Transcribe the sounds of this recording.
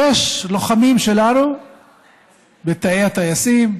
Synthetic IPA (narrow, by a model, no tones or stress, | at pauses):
eʃlo̞χamimʃelanu | bet̪aejat̪ajasim